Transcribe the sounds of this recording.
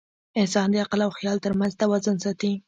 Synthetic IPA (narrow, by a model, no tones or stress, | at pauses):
ɪnsɑnd̪əaqɪlawxjɑlt̪əɾmanzt̪awazənsɑt̪i